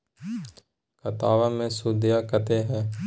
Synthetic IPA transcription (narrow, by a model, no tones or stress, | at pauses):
kɐt̪aːʋamẽsud̪jakət̪eɦɛ̃ː